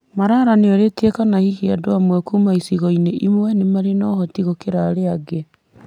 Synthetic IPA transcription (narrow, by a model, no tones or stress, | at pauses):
maɾaːɾaneɔɾetiekanahihiadoamwɛkumaisiɣɔineʔimwɛnemaɾenɔːhɔtiɣokeɾaɾeaɡe